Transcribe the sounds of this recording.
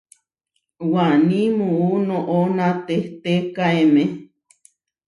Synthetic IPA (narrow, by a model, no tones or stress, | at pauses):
wanĩmuunõʔonãt̪et̪ekaeme